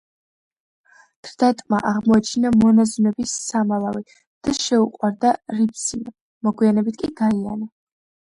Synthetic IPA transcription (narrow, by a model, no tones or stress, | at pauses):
d̪̥ɾd̪̥at̪ʼma̰ʔaʁmɔɛt͡ʃʰinamɔnazunɛbisːamalˠavi | d̪̥aʃɛuqʼwaɾd̪aɾipʰsim | mɔɡwianɛbit̪ʰkʼiɡaia̰na